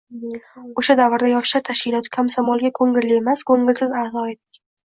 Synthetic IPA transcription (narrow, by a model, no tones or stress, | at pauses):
oʃad̪avɨɾd̪ajɒʃlaɾt̪ʰaʃkʲɪlˠɒt̪ʰɪ̥kʰamsamɒlˠɡʲakʰɵŋɡʲɪɾlɪe̞maskʰoŋɡʲɪlsɪzazɒed̪ɪkʲ